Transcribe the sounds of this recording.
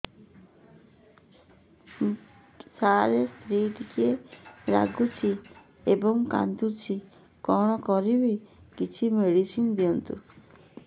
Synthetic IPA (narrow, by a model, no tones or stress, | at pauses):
saɾest̪ʰɾiʈikieɾa̰ɡut͡ʃʰi | ebɔŋka̰nd̪ut͡ʃʰi | kɔɽ̃ɔkɔɾibikit͡ʃʰimeɽisind̪iɔnt̪ṵ